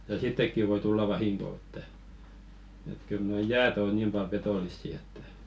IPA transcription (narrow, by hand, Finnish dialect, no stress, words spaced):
jɑ sitːekːi ʋoi tulːɑ ʋɑhiŋko etːæ et kyl noi jæːt oˑ niːm pɑl petoˑlisːi etːæ